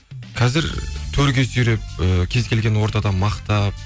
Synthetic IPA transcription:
qʰɑzɪɾt̪ʰɵɾɡʲe̞sʏɾep̚əkʲʰe̞zkʲʰe̞lɡʲe̞nwo̞ɾt̪ɑd̪ɑmɑqt̪ɑp̚

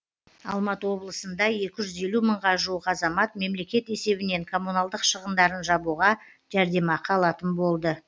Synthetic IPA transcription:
ɑ̰lˠmɑt̪əwo̞blˠəsənd̪ɑje̞kʲɪʒʏze̞luməɴʁɑʒuəqɑzɑmɑt̪me̞mle̞kʲe̞t̪e̞se̞bɪne̞ŋkʰo̞munɑlˠd̪əqʃəʁənd̪ɑɾənʒɑbuʁɑ | ʒ̥æɾd̪e̞mɑqʰɑlˠɑt̪ənbo̞lˠd̪ə

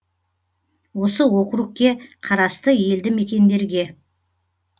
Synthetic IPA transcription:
wo̞səwo̞qəɾuqkʲːe̞qʰɑɾɑst̪əje̞ld̪ɪme̞kʲe̞nd̪e̞ɾɡʲe̞

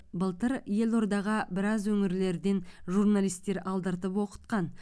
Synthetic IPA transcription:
bəlˠt̪əɾje̞lˠo̞ɾd̪ɑʁəbɪɾɑzwɵŋɪɾle̞ɾd̪e̞nʒurnalˠijst̪ːe̞ɾɑlˠd̪əɾt̪əpwo̞qə̥t̪̚qɑn

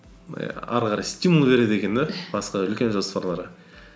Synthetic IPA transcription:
ɑ̰ɾqɑɾɑjst̪ʲijmulˠbe̞ɾe̞d̪ekʲe̞nd̪ebɑsqɑʏlkʲe̞nʒo̞spɑɾlˠɑɾə

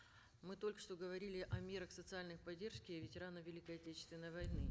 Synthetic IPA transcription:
mɨt̪o̞lʲkə̥ʂt̪o̞ɡəvɐɾʲilʲɪʔɐmʲe̞ɾəxsət̪sɨalʲnəjpɐdʲe̞rʂkʲɪvʲɪtʲɪɾanəvʲɪlʲikəɐtʲet͡ɕɪ̥st̪vʲɪnːəjvɐjnɨ

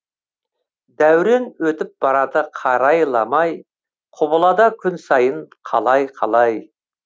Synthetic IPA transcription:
d̪æwɾe̞nwɵt̪ɪp̚b̥ɑɾɑt̪əqʰɑɾɑjlˠɑmɑj | qʰʊbəlˠɑd̪ɑkʲʰʏnsɑjəɴqʰɑlˠɑjqʰɑlˠɑj

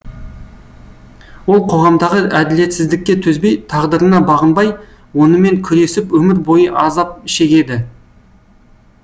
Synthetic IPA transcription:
wo̞lˠqʰo̞ʁɑmd̪ɑʁəʔæd̪ɪle̞t̪sɪzd̪ɪkʲːe̞t̪ʰɵzbe̞jt̪ʰɑʁd̪əɾənɑbɑʁənbɑj | wo̞nəme̞ŋkʲʰʏɾe̞sɪpwɵmɪɾbo̞jəʔɑzɑp̚ɪʃe̞kʲe̞d̪ɪ

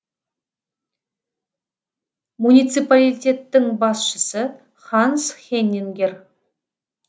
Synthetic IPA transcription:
munʲijt̪sɨpalʲitʲe̞t̪ːɪŋbɑsʃəsə | χɑnsχʲenʲːeŋɡʲer

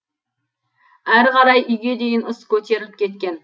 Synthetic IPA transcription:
æɾqʰɑɾɑjʔʏjɡʲe̞d̪e̞ɡʲenʊskʲʰɵt̪ʰe̞ɾɪlɪp̚kʲʰe̞t̪̚kʲe̞n

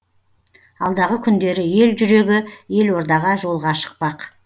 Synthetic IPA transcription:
ɑlˠd̪ɑʁəkʲʰʏnd̪e̞ɾɪje̞lʒʏɾe̞ɡʲɪje̞lwo̞ɾd̪ɑʁɑʒo̞lˠʁɑʃə̥q̚pɑq

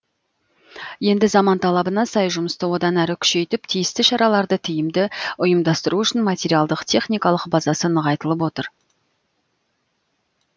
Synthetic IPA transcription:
je̞nd̪ɪzɑmɑnt̪ʰɑlˠɑbənɑsɑjʒʊməst̪əwo̞d̪ɑnæɾɪkʲʰʏ̥ʃe̞jt̪ɪpt̪ʰijɪst̪ɪʃɑɾɑlˠɑɾd̪ət̪ʰʏjɪmd̪ɪʊjəmd̪ɑst̪əɾuʏʃɪnmɑt̪ʲeɾijalˠd̪əqt̪ʲʰe̞χnijkɑlˠəqbɑzɑsənəʁɑjt̪əlˠəpwo̞t̪əɾ

